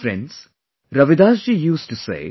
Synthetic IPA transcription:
fɾɛ̰̃nɖz̥ | ɾʌʋɪd̪aːsd͡ʒijuːsʈusḛː

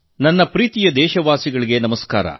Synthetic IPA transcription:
nɐnːɐpɾiːt̪ijɐd̪ɛːʃɐʋaːsiɡɐɭiɡe̞nɐmɐska̰ːɾɐ̰

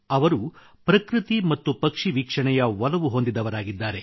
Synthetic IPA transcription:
ɐʋɐɾu | pɾɐkɾɨt̪imɐt̪ːupɐkʂiʋikʂɐɳɛjɐʋɐlɐʋuɦo̞nd̪id̪ɐʋɐɾaːɡid̪ːaːɾe̞

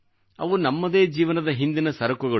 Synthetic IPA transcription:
ɐ̰ʋunɐmːɐd̪e̞ːd͡ʒiːʋɐnɐd̪ɐɦind̪inɐsɐɾɐkuɡɐ

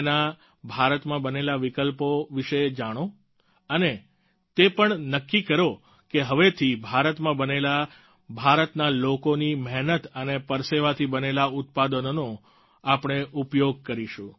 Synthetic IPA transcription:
na | bʱaɾət̪mãbənelaʋikəlpoʋiʃəd͡ʒaɽ̃o | əne | t̪epəɳnəkːikəɾo | keɦəʋet̪ʰibʱaɾət̪mãbənela | bʱaɾət̪nalokonimɛɦnət̪ənepəɾseʋat̪ʰibənelaʊt̪̚pad̪ənono | apɳ̃eʔupjoɡ̚kəɾiʃũ

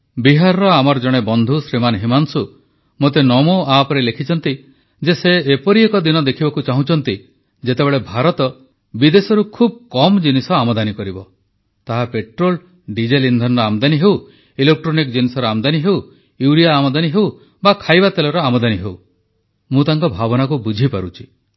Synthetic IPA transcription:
biɦaɾɔɾɔamɔɾɔd͡ʒɔɽ̃ebɔnd̪ʱusɾimanɦimansu | mot̪̬enɔmoapɔɾelekʰit͡ʃʰɔnt̪i | d͡ʒeseːpɔɾiekɔd̪inɔd̪ekʰibɔkut͡ʃaɦũt͡ʃʰɔnt̪i | d͡ʒet̪ebeɭebʱaɾɔt̪ɔ | bid̪esɔɾukʰub̚kɔmd͡ʒinisɔamɔd̪anikɔɾibɔ | t̪aɦapeʈɾol | ɖid͡ʒelind̪ʱɔnɔɾɔamd̪aniɦew | ilek̚ʈɾonikd͡ʒinisɔɾɔamd̪aniɦew | iwɽijaːmɔd̪aniɦew | bakʰajbat̪elɔɾɔamɔd̪aniɦew | mũt̪aŋkɔbʱabɔnakubud͡ʒʱipaɾut͡ʃʰi̥

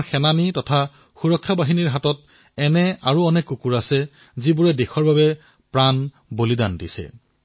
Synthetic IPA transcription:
xɛnanitɔtʰa | xuɹɔkʰːabaɦiniɹɦatɔt̚ | ɛnɛaɹuɔnɛkukuɹasɛ | zibuɹɛdexɔɹbabɛ | pɹan | bolidandḭsɛ̰

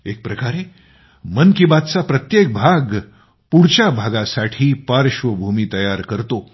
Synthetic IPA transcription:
ek̚pɾəkaɾe | mənkibat̪̚t͡sapɾət̪jek̚bʱaɡ | puɽ̤t͡ɕabʱaɡasaʈʰiːpaɾɕʋəbʱumiːt̪əjaɾkəɾt̪o

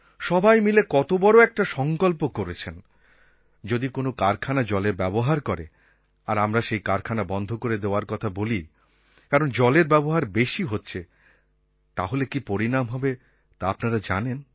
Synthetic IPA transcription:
ʃɔbajmilekɔt̪obɔɾoɛk̚ʈaʃɔŋkolpokoɾet͡ɕʰen | d͡ʑod̪ikonokaɾkʰanad͡ʑɔleɾbɛboɦaɾkɔɾe | aɾamɾaʃejkaɾkʰanabɔnd̪ʱokoɾed̪eoaɾkɔt̪ʰaboli | kaɾond͡ʑɔleɾbɛboɦaɾbeʃiɦotːɕʰe | t̪aɦolekipoɾinamɦɔbe | t̪aapnaɾad͡ʑanen

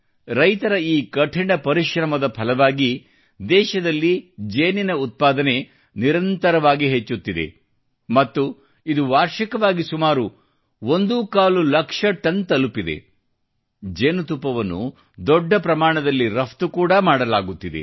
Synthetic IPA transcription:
ɾɐjt̪ɐɾɐiːkɐʈʰiɳɐpɐɾiʃɾɐmɐd̪ɐpʰɐlɐʋaːɡi | d̪ɛːʃɐd̪ɐlːid͡ʒeːninɐut̪̚paːd̪ɐne̞ | niɾɐnt̪ɐɾɐʋaːɡiɦet͡ʃːut̪ːid̪e̞̰ | mɐt̪ːu | id̪uʋaːɾʃikɐʋaːɡisumaːɾu | ond̪ukaːlulɐkʂɐʈɐnt̪ɐlupid̪e̞̰ | d͡ʒeːnut̪upːɐʋɐnːṵ | d̪ɔɖːɐpɾɐmaːɳɐd̪ɐlːiɾɐpʰt̪ukuːɽɐmaːɽɐlaːɡut̪ːid̪e̞̰

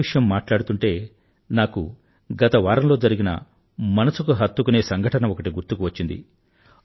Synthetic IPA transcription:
iʂɐjɐmːaːʈlaːɽut̪uɳʈe̞ː | naːkṵ | ɡɐt̪ɐʋaːɾɐmlo̞ːd͡ʒɐɾiɡinɐ̰ | mɐnɐsukuɦɐt̪ːukune̞ːsɐŋɡʱɐʈɐnɐɔkɐʈiɡuɾt̪ukuʋɐt͡ʃːind̪ḭ

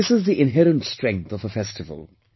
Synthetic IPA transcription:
ɪsɪzðiʔɪ̃nɦɛɹə̃ntstɹ̥ɛ̃ŋk̚θəvəfɛstɨvə̰lˠ

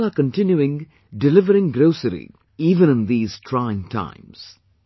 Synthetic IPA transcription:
aːkə̃nʈɪ̃njuɪ̃ŋ | ɖɪlɪʋəɾɪ̃ŋɡɾoʊsəɾḭ | iːʋə̃nɨ̃nd̪iːz̥ʈʰɾaɪɪ̃ŋʈʰã̰ɪ̃ms

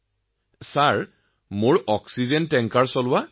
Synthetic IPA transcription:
saɹ | moɹɔksizɛntɛŋkaɹsɔlʊwa

